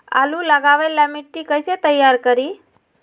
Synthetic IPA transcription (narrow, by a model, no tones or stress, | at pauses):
a̰lũləɡaʋelamiʈːikəjset̪əjːaɾkəɾi